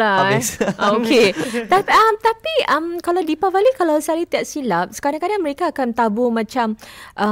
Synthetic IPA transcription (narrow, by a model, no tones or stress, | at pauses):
a | okʰet̪apamt̪apiamkalawdipabalikalawsalit̪iaʔ̚silap̚sə̥kaɾãŋkadaŋməɾekaːkant̪abʊmãt͡ʃamʔa